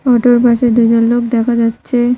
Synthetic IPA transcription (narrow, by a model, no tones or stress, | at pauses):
ɔʈoɾbaʃeɾd̪ud͡ʑonlokd̪ɛkʰad͡ʑatːɕʰe